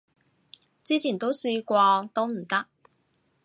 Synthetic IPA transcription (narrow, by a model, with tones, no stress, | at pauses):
t͡ɕi˥t͡ɕʰi˨˩nt̪o˥ʊʂɻ̩˥˧i˥kwɔ˥˧t̪o˥n̩˨˩t̪a˥˨